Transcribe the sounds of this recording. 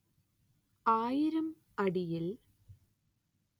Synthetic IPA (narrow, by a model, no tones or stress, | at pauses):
aːjiɾɐm | ɐɽijil